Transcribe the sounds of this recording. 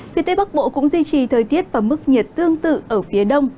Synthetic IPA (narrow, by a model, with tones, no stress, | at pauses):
fi˨ət̪e˨˦ɓa˦˥k̚ɓo̰˧˨kʊ̰˧˥ŋ͡mzwi˧t͡ɕi˨˩t̪ʰəː˨˩jt̪i˦˥ət̚vaː˨˩mɨ˦˥k̚ɲi˨˩t̚t̪ɨ˧əŋt̪ɨ̰˧˨ʔəː˧˩fi˨˦əɗə˧wŋ͡m